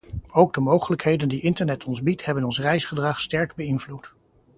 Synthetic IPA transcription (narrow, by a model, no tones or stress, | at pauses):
owɡ̚dəmowχələkɦejdəndiʔɪntəɹnɛtʰɔnzbithɛbənɔnsrɛjsχədrɑχstɛɹɡbəɪnvlut